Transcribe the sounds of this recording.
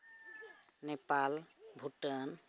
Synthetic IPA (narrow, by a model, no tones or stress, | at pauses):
nepalbʱuʈən